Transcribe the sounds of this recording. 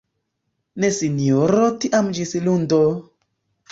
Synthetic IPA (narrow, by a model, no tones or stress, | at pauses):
nesinioɾotiʔamd͡ʒisilundo